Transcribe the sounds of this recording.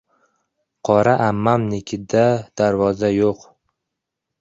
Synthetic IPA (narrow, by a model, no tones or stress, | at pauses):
qʰɒɾaʔamːamnɪkʲʰɪd̪ad̪̥aɾvɒzajoq